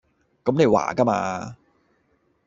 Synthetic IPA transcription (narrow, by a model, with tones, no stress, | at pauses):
kɐ˨˦mne˨˧jwa̰ː˨˩kɐ˥ma̰ː˧